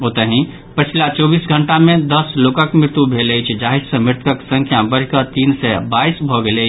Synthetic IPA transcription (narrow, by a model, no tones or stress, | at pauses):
ɦot̪əɦĩ | pət͡ʃʰlat͡ʃɔːbiːsɡʱəɳʈamẽd̪əslokəkmɾɪɾt̪jubʱelət͡ʃʰd͡ʒaɦid͡ʒsə̃mɪɾt̪ʰəksə̃ŋkʰjabəɾkət̪iːnsɛbaisbʱɔɡelet͡ʃʰ